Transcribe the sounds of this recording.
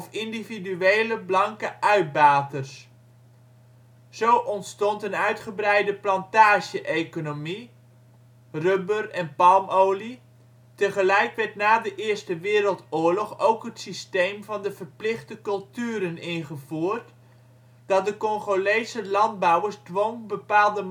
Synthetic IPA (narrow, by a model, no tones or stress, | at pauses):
ɔfɪndividyejləblɑŋkəʔœɥd̚baːtərs | z̥owʔɔntstɔntənœɥtχəbrɛjdəplɑntaːʒəʔejkonomi | røbərɛnpɑlˠmowli | təχəlɛjkʋɛɹtnaːdəʔɪːɹstəʋɪːɾəlˠtʊːɹlɔχowkɦətsistejmvɑndəv̥ərplɪχdəkɵlˠtyːɾənɪnχəvuːrt | d̥ɑdəkɔŋχolejsəlɑnd̚bɑwəɹzdʋoŋbəpaːlˠdə